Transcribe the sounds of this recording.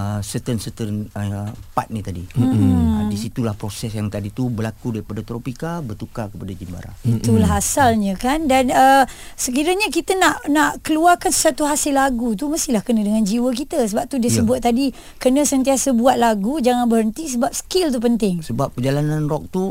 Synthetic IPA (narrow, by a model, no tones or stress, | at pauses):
əsət̪ənsət̪ənəpa̰t̪̚nit̪adi | disit̪ulahpɾosɛsjaŋt̪adit̪ubərlakudaɾipadat̪ɾopikabərt̪ukakəpadad͡ʒimba̰ɾa̰it̪ulaɦasalɲə̃kandanə | səkiɾəɲəkit̪ənaʔnaʔkəluarkansə̥sat̪uɦasɪlːaɡut̪̬uməst̪ihlahkənə̃dəŋand͡ʒiwək̬it̪əsəbap̚t̪udiəsəbuat̪̚ːadi | kənə̃sənt̪̬iasəbuat̪̚laɡud͡ʒaŋanbəɾɦənt̪is̬əbap̚sə̥kɪlt̪̬up̬ənt̪ɪŋsəbap̚ːəd͡ʒalanãnrɔk̚t̪u